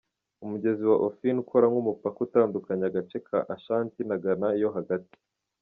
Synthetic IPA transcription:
umuɟe̞ziwaʔofinukʰoɾaŋɡumupakutaːndukaɲaɡat͡ʃe̞kʰa̰ʔaʃaːntinaɡanaijo̞ɦaɡati̥

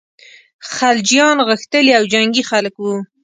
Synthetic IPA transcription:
xald͡ʒijɑnɣəxt̪əliawd͡ʒaŋɡixaləkwu

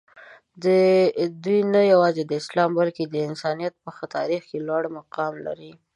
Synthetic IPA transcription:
d̪əd̪ujnajawɑzed̪əɪslɑmbalked̪əɪnsɑnijat̪̚pəxat̪ɑɾixkelwaɽmʊqɑmla̰ɾi

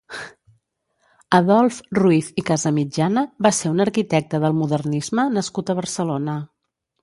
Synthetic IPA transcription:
əðɔlˠfruifikazəmid͡ʒanəβaseunəɾkit̪ɛk̚t̪əðəlˠmuðərnizmənəskut̪əβərsəlonə

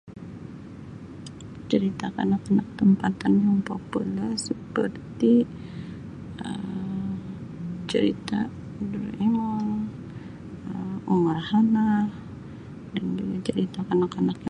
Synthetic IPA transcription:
t͡ʃəɾit̪akanakanak̚t̪əmpat̪anjaŋpopulɛrsəpərt̪i | ə̰m | t͡ʃəɾḭt̪a | dəreŋaŋ | əuŋarhanah | danduɡat͡ʃəɾit̪akanakanak

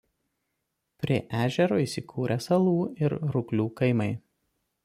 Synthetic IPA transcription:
pʲɾʲiɛʔæːʒʲɛɾoːiːˑsʲɪkʰuːɾʲʔɛsɐlˠuːɪɾɾʊklʲuːkɐɪmɐɪ

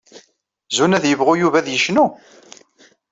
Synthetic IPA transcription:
zunæðjəvʁʊjuvæðjəʃnu

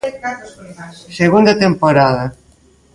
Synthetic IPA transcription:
seɣund̪ɐt̪empoɾaðɐ

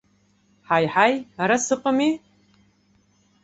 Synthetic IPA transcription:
ħajħajaɾasɨqʼami

